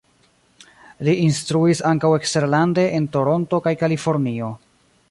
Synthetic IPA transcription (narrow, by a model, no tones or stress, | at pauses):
liinstɾuisaŋkawe̞kste̞ɾlande̞ʔento̞ɾo̞nto̞kajkalifo̞ɾnio̞